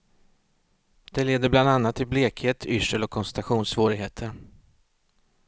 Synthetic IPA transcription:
d̪̥ɛleːd̪əbland̪anːat̪ʰːɪlbleːkheːt̪ʰʏʂəlɔkʰːɔnsɛnt̪aɧuːnsvoːɾɪɡɦeːt̪ʰəɾ

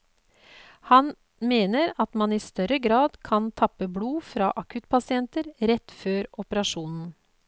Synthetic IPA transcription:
hɑn | meːnəɾɑt̪mɑniːst̪œɾəɡɾɑːd̪kʰɑnt̪ʰɑpːəbluːfɾɑ̰ːʔɑkʉt̪pʰɑsɪɛnt̪əɾɾɛt̪ːføːɾɔpəɾɑʂuːnn̩

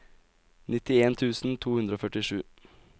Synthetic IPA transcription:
nɪt̪ɪeːnt̪ʰʉːsn̩t̪ʰuːhʉnd̪ɾoːfœʈɪʂʉː

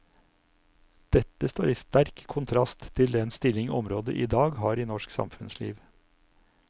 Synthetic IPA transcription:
d̪̥ɛt̪əst̪oːɾiːst̪æɾkkʰʊnt̪ʰɾɑst̪tʰːɪld̪ɛnst̪ɪlɪŋɔmɾoːd̪ə̰ʔiːd̪ɑːɡhɑːɾiːnɔʃksɑ̰mfʉnslḭːʋ

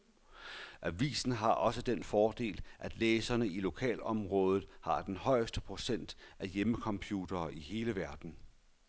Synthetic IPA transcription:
ʔæʋḭːsn̩ɦɑ̈ʔɒ̽səd̥enfɒːd̥e̝̰ːlʔæd̥leːsɐnəilo̝kʰɛ̰ːlɒ̽mʁɔ̽ːð̞ˠð̩ˠhɑ̈d̥enhɒ̽ɪ̰əsd̥əpʰʁo̝sen̰d̥ʔæjeməkʰɒ̽mpʰjuːd̥ɐːʔiɦe̝ːləʋæɐd̥n̩

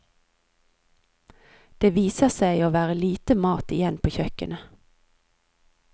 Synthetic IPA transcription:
d̪̥eːʋiːsəʁsæɪoːʋæːʁəliːt̪əmɑːt̪ɪjɛnpʰoːçœkənə

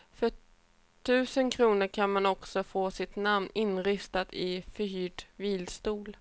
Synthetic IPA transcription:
fœ | ʈʰʉ̟ːsənkʰɾuːnəɾkʰanmanɔksɔfoːsɪt̪namnɪnɾɪst̪at̪ʰɪfœhyːɖviːlst̪uːl

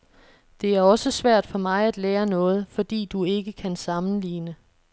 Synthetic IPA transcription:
d̥e̝æɐɒ̽səsʋæɐ̰d̥fɒ̽mɑ̈ɪæd̥leːɐnɔ̽ːð̞̩ˠfɒ̽d̥ḭːd̥ue̝ɡ̥əkʰænsɑ̈mn̩lḭːnə

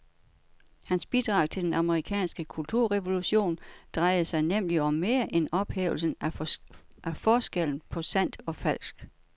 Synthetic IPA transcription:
hænsb̥id̥ʁɑ̈ʊ̰t͡sʰe̝d̥enɑ̈məʁikʰɛ̰ːnsɡ̥əkʰult͡sʰuɐ̰ʁɛʋo̝luɕo̝̰ːnd̥ʁɑ̈ɪð̩ˠsɑ̈ɪnem̰liɒ̽mːe̝ːɐʔenɒ̽b̥hḛːʊl̩sn̩ | ʔæfɒːsɡ̥el̰n̩pʰɒ̽sæn̰d̥ɒ̽fæl̰sɡ̥

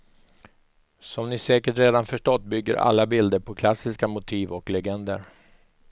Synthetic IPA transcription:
sɔmnɪsɛːkəʈɾeːd̪anfœʂʈɔt̪ːbʏɡːə̰ɾʔa̰lːabɪld̪əɾpʰɔkʰlasːɪskamʊt̪ʰiːvɔklɛɡɛnd̪ə̰ɾ

